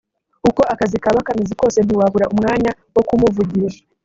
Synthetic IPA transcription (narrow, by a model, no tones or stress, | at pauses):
uko̞ʔakazikaβakamiziko̞ːse̞n̥iwaβuɾaʔumŋaːɲa | wo̞kumuvuɟiɾḁ